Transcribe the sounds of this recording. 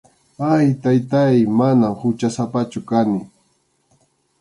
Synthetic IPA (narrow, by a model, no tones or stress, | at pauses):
ajt̪ajt̪ajmanamhʊt͡ʃasapat͡ʃʊkanɪ